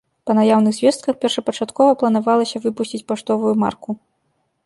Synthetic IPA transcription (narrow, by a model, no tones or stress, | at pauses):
pɐnajawnɨɣzʲvʲɛst̪̚kɐxpʲɛrʂɐpɐt͡ʂat̪kɔvɐplˠɐn̪avalˠɐsʲɐvɨpusʲt͡sʲit͡sʲpaʂt̪ɔvujuma̰rku